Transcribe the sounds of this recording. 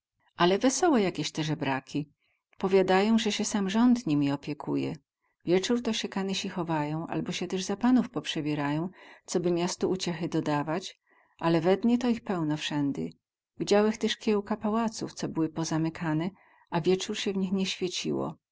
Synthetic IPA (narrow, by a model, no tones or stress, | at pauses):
alɛvɛsɔwɛjakʲeɕt̪ɛʐɛbɾakʲi | pɔvʲjad̪ajɔ̃w̃ʐɛɕɛsamʐɔnd̪ɲimʲiɔpʲjɛkʰṵjɛ̰ | vʲjɛt͡ʂuɾt̪ɔɕɛkanɛɕixɔvajɔ̃w̃ʔa̰lbɔɕɛt̪ɛʐzapanufpɔpʂɛbʲɛɾajɔ̃w̃t̪sɔbɘmʲjast̪ɔʔut͡ɕɛxɘd̪ɔd̪avat͡ɕ | ʔalɛvɛd̪ɲɛt̪ɔixpɛwnɔfʂɛnd̪ɘ̰ | vʲid͡ʑawɛxt̪ɛʂkʲjɛwkapawat̪sṵft̪sɔbɘwɘpɔzamɘkʰanɛ | avʲjɛt͡ʂuɾɕɛvɲixɲɛɕfʲjet͡ɕḭwɔ̰